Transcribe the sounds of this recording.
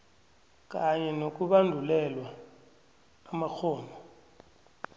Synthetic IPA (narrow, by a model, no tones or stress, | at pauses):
k̬ʼaɲɛnok̬ʼuɓandʱulɛlwa | mak͡xʰɔːmʱɔ